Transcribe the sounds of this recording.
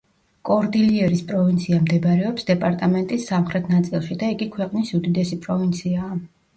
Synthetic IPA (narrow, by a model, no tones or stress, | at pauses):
kʼɔɾd̪iliɛɾispʼɾɔvint̪sʰiamd̪ɛbɾɛɔpsd̪ɛpʼaɾt̪ʼamɛnt̪ʼisːamχɾɛt̪ʰnat̪sʼilˠʃid̪aiɡikʰwɛqʼnisud̪id̪ɛsipʼɾɔvint̪sʰiaː